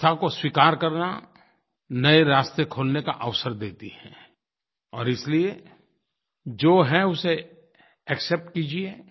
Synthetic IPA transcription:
t̪ʰakoswiːkaːɾkɐɾna̰ | nɐeɾaːst̪ekʰoːlneka̰ʔəʋsəɾd̪eːt̪iɦɛ̰̃ː | ɔːɾɪslie | d͡ʒoːɦɛʊse | ɛksɛp̚ʈkiːd͡ʒieː

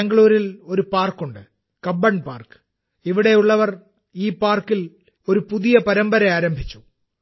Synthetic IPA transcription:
ɐŋɡɐɭuːɾilo̞ɾupaːrkːuɳɖɨ | kɐbːɐɳpaːrkɨ̥ | iʋiɽe̞juɭːɐʋɐr | iːpaːrkːil | o̞ɾupuðijɐpɐɾɐmbɐɾɐaːɾɐmbʱit͡ɕːu̥

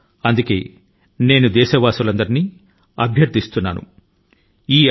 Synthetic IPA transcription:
ɐnd̪uke̞̰ː | ne̞ːnud̪ɛːʃɐʋaːsulɐnd̪ɐɾiniː | ɐ̰bʱjɐɾd̪ist̪unːa̰ːnṵ | iː

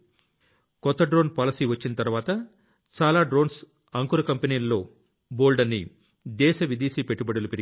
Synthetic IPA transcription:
kɔt̪ːɐɖɾo̞ːnpaːlɐsiːʋɐt͡ʃːinɐt̪ɐɾuʋaːt̪ɐ | t͡ʃaːlaːɖɾo̞ːns | ɐŋkuɾɐkɐmpenijlːo̞ː | boːlɖɐnːḭ | d̪ɛːʃɐʋid̪iːʃipe̞ʈːubɐɽɐlupeɾi

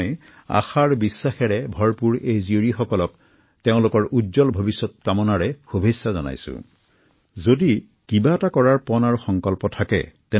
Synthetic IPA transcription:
j | a̰xaɹbisːaxɛɹɛbʱɔɹpuɹejzioɹixɔkɔlɔk | teʊ̃lʊkɔɹudzɔlbʱobisːɔt̚kamɔnaɹɛxubʱesːazɔna̰jsʊ̰̃ | zodi | kibaɛtakɔɹaɹpɔnaɹuxɔŋkɔlpɔtʰakɛ̰tɛ

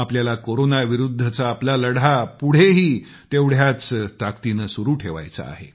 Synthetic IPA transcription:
apljalakoɾonaʋiɾud̪ʱːət͡saːplaləɽapuɽ̤eɦiː | t̪eʋɽ̤jat͡st̪akt̪inəsuɾuːʈʰeʋa̰jt͡sa̰ːɦḛ

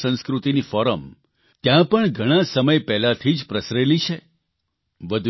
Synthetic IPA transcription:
sə̃nskɾut̪inifɔɾəm | t̪jãpəɳɡʱəɽ̃asəməjpɛɦlat̪ʰid͡ʒpɾəsɾelit͡ʃʰe | ʋəd̪ʱ

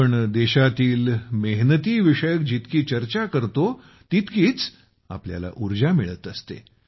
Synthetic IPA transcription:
əɳd̪eɕat̪iːlməɦnət̪iːʋiʂəjək̚d͡ʑit̪kiːt͡ɕəɾt͡ɕakəɾt̪o | t̪it̪kiːt͡s | a̰plja̰la̰ʔuɾd͡ʑamiɭət̪əst̪ḛ

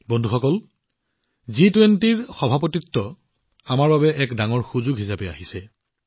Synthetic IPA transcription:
bɔndʱuxɔkɔl | zitwentiɹxɔbʱapotitːɔ | amaɹbabɛʔɛkdaŋɔɹxuzuɡɦisapɛa̰ɦisɛ

